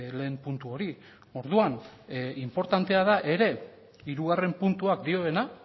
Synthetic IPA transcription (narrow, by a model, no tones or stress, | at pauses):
le̞ːmpunt̪uo̞ɾi | o̞ɾðuanimpo̞ɾt̪ant̪e̞aðaʔe̞ɾe̞ | iɾuɣare̞mpunt̪uakd̪io̞e̞na